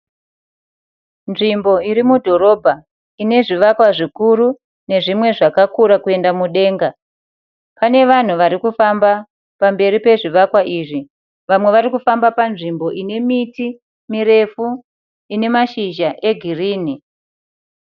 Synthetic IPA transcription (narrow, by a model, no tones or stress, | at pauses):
nʐimbo̞iɾimudʱo̞ɾo̞ːbʱa | ine̞ʐiʋakwaʐikuɾu | ne̞ʐimwe̞ʐakakuɾakue̞ndamuɗe̞ːŋɡa | pane̞ʋan̤uʋaɾikufamba | pambe̞ɾipe̞ʐiʋakwaʔiʐi | ʋamwe̞ʋaɾikufambapanʐimboʔine̞miti | miɾe̞fu | ine̞maʃiʒaʔe̞ɡʱiriːni